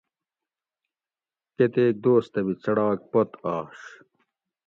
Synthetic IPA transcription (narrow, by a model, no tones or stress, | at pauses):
ket̪eːk̚d̪oːst̪ɐbit͡sɐɽaːk̚pɐt̪ɑːʂ